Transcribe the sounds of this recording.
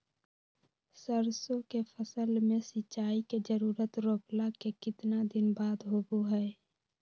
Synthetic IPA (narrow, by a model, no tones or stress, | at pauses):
səɾsõkepʰəsəlmẽsɪt͡ʃːaːiked͡ʒəɾuːɾət̪ɾoːplakekɪt̪nad̪ɪnbaːd̪ɦoːboɦɛː